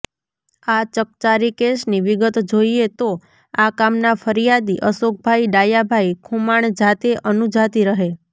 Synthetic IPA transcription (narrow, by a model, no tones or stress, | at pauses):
at͡ʃək̚t͡ʃaɾikeʃniʋɪɡət̪d͡ʒoiet̪o | akamnafʰəɾijad̪iʔəsok̚bʱaiɖajabʱaikʰumaɳd͡ʒat̪eʔənud͡ʒat̪iɾəɦe